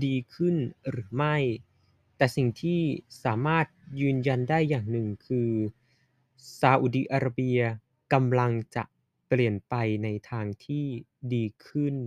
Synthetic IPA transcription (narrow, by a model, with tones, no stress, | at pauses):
diː˧kʰɯ˥˩nɾɯː˩˦ma˥˩j | t̪ɛː˨˩si˨˩ŋt̪ʰiː˥˩saː˩˦maː˥˩t̪̚jɯː˧nja˧ndaː˥˩jːaː˨˩ŋnɯ˨˩ŋkʰɯː˧ | saː˧ʔu˨˩di˧ʔaː˧ɾa˧bi˧ɐ | ka˧mla˧ŋt͡ɕa̰˨˩ʔ | pli˨˩ənpa˧jna˧jt̪ʰaː˧ŋt̪ʰiː˥˩ | diː˧kʰɯ˥˩n